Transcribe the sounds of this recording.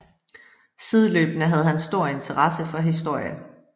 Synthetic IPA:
sið̞ˠlø̰ːb̥nəɦæð̞ˠɦænsd̥o̝ɐ̰e̝nt͡sʰəʁɑsəfɒ̽ɦis̬d̥o̝ɐ̰jə

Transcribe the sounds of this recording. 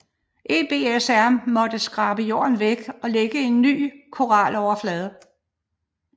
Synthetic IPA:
ʔe̝b̥e̝ːesæɐmɒ̽d̥əsɡ̥ʁɑ̈b̥əjo̝̰ːɐnʋeɡ̥ɒ̽leɡ̥əe̝nːy̰ːkʰo̝ʁɑ̰lɒʊɐflɛːð̞ˠə

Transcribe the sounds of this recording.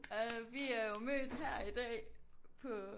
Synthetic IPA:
ɒʋiæɐjomø̰ːd̥ɦæɐ̰id̥ɛ̰ːpʰɒ̽

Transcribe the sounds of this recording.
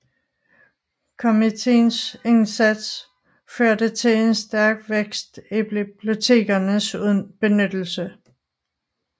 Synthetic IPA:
kʰo̝mit͡sʰe̝̰ːnse̝nsæd̥s | føɐ̰d̥ət͡sʰe̝le̝nsd̥æɐɡ̥ʋeɡ̥sd̥ib̥lib̥lo̝t͡sʰe̝̰ːɡ̥ɐnəsunb̥e̝nød̥l̩sə

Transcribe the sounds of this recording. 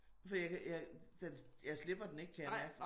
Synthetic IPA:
fɒdijakʰjɑɪd̥enjɑ̈ɪsle̝b̥ɐd̥ene̝ɡ̥̚kʰæjɑɐmæɐɡ̥

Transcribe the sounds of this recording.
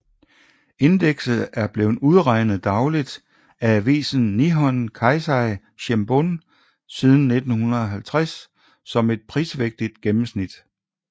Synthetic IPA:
e̝nd̥eɡ̥sð̩ˠæɐb̥le̝ːʊuð̞ˠʁɑ̈ɪnð̩ˠd̥ɑ̈ʊlid̥ | ææʋḭːsn̩ːiɦɒ̽nkʰɑ̈ɪsɑɪ | ɕemb̥on | sið̞ˠn̩ːe̝d̥n̩hunɐðˠɒ̽ɦælt͡sʰʁasː | ɒ̽me̝d̥̚pʰʁiːsʋeɡ̥̚d̥id̥ɡ̥emm̩snid̥

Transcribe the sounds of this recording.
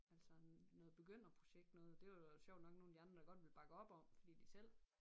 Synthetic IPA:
æl̰sɐnɔ̽ːð̩ˠb̥e̝ɡ̥øn̰ɐpʰʁo̝ɕeɡ̥d̥nɔːð̩ˠd̥e̝ʋɑɕjɒʊ̰d̥nɒ̽ɡ̥no̝ːnæd̥iɑ̈nd̥ʁɐd̥ɑ̈ɡ̥ɒ̽d̥ʋe̝lb̥ɑ̈ɡ̥əɒ̽b̥ɒ̽m̰fɒd̥ḭːd̥isel̰

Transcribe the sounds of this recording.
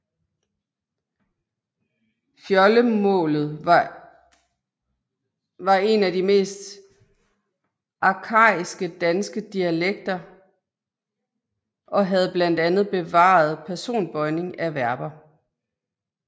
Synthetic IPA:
fjɒləmɔ̰̽ːlð̞̩ˠɑ | ʋɑ̈e̝næd̥ime̝̰ːsd̥ | ʔɑ̈kʰɑ̰̈ːisɡ̥əd̥ænsɡ̥əd̥iæleɡ̥̚d̥ɐ | ʔɒ̽ɦæð̞̩ˠb̥læn̰d̥ænð̞̩ˠb̥e̝ʋɑ̰̈ð̞̩ˠpʰæɐso̝̰ːnb̥ɒ̽ɪne̝ŋæʋæɐb̥ɐ

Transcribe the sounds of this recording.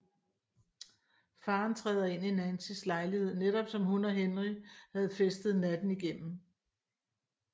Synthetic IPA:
fɑ̈ːnt͡sʰʁɛːðˠɐe̝n̰ienænsʰislɑ̈ɪlihe̝ð̞̰ˠneɾ̥ɒ̽b̥sɒ̽mɦunɒɦenʁihæð̞̩ˠfesd̥ð̞̩ˠnæd̥n̩iɡ̥em̰m̩

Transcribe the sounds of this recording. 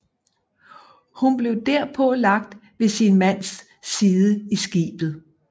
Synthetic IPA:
hunb̥le̝ʊd̥æɐ̰pʰɒ̽lɑ̈ɡ̥̚d̥ʋe̝sinmæn̰sː | iːðˠəisɡ̥ḭːb̥ð̩ˠ

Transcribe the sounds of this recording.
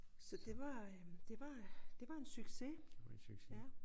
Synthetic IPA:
sɒ̽d̥e̝ʋɑ̈d̥e̝ʋɑd̥e̝ʋɑ̈e̝nsyɡ̥se̥ | jæ

